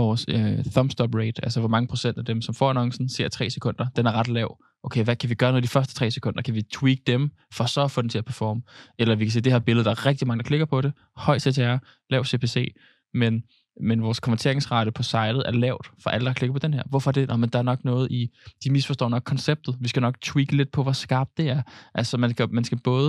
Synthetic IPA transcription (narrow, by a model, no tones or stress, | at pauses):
ɒːsøθɒmsd̥ɒb̥ʁed̥ælsəʋɒmɑ̈ŋəpʰʁo̝sen̰d̥æd̥emsɒ̽mfɒ̰ænɒ̽ŋsn̩se̝ɐ̰t͡sʰʁɛ̰ːse̥kʰɔ̽n̰d̥ɐd̥enæɐʁɑ̈d̥lɛʊ̰ | ʔoʊkʰeɪʋækʰæʋiɡ̥ɶɐnɔð̩ˠdifɶɐsd̥ə̥t͡sʰʁɛ̰ːse̥kʰɔ̽n̰d̥ɐkʰæʋit͡sʰwiɡ̥̚d̥em | fɒ̽sɒ̽fɔ̽dent͡sʰe̝læpʰæɐfɒːməelɐʋikʰæse̝̰ːd̥e̝hɛɐb̥e̝lð̩ˠd̥ɑ̈æɐʁɛɡ̥̚d̥imɑ̈ŋəd̥kʰle̝ɡ̥ɐpʰɒ̽ɾ̥e̝ | hɒ̽ɪ̥sʰet͡sʰeæɐ | lɛʊ̰se̝pʰe̝ːse̝̰ː | men | menʋɒːskʰɒ̽mæɐt͡sʰe̝ɐe̝ŋsʁɑ̈ɾ̥əpʰɒ̽sɑ̈ɪd̥ð̩ˠæɐlɛʊ̰d̥fɒ̽ʔæləd̥ɑ̈kʰle̝ɡɐpʰɒ̽d̥enɦeɐ̰ʋɒfɒɐd̥e̝nʔɒmənd̥ɑ̈æɐnɒ̽ɡ̥nɔ̽ːð̩ˠid̥imisfɒ̽sd̥ɔ̰̽ːnɒɡ̥kʰːɒ̽nseb̥̚d̥ð̩ˠʋisɡ̥ænɒ̽ɡ̥̚t͡sʰwiːɡ̥əle̝d̥̚pʰɒ̽ʋɒsɡ̥ɑ̈ːb̥̚d̥ːe̝æɐʔælsɒmænsɡ̥æmænsɡ̥æb̥ɔ̽ːð̞ˠ